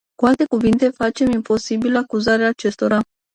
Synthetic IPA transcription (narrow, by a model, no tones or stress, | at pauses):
kualt̪e̞kuvint̪e̞fat͡ʃe̞mimpo̞sibiləakuzaɾeaːt͡ʃe̞st̪o̞ɾa